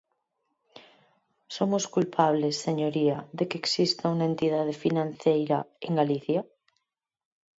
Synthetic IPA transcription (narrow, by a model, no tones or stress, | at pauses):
somoskulpʰaβlesːeɲoɾiaðekeːksist̪aunaent̪iðað̞efinãn̟θejɾaeŋɡaliθja